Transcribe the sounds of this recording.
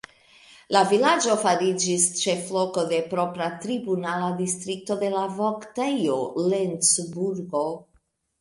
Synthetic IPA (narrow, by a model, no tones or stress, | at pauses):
lavilad͡ʒo̞faɾid͡ʒist͡ʃe̞flo̞ko̞d̪e̞pɾo̞pɾat̪ɾibunalad̪istɾik̚to̞d̪e̞lavoktejolensbuɾɡo